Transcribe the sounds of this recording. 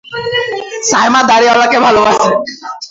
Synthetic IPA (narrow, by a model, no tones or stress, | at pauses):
sajmad̪aɾiɔlakebʱalobaʃe